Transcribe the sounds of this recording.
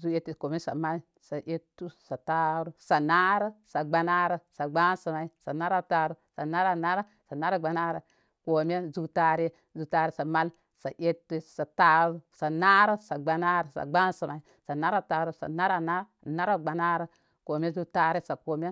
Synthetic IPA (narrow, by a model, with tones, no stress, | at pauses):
zu˦e˦tːi˨ko˨m˦e˦sa̰˨ma˦l | sa˨ʔe˦tːu˦sa˨ta˦ɾu˦sa˨na˦ɾə˦sa˨ɡ͡ba˨na˦ɾə˨sa˨ɡ͡ba˦nsi˨ma˨i˦sa˨na˦ɾa˦ta˨ɾu˦sa˨na˦ɾa˦˨na˦ɾa˦ | sa˨na˦ɾa˦ɡ͡ba˨na˦ɾə˨ | ko˨m˦e˦zu˦ta˦ɾe˦ | zu˨ta˦ɾi˦sa˨ma˦l | sa˨ʔe˦tːi˦sa˨ta˦ɾu˦sa˨na˦ɾə˦sa˨ɡ͡ba˨na˦ɾə˨sa̰˨ɡ͡ba˦nsi˨ma˨i˦ | sa˨na˦ɾa˦ta˨ɾu˦sa̰˨na˦ɾa˦na˦ | na˦ɾa˦ɡ͡ba˨na˦ɾə˦ | ko˨m˦e˦zu˦ta˦ɾe˦sa˨ko˨mʲ˦e˦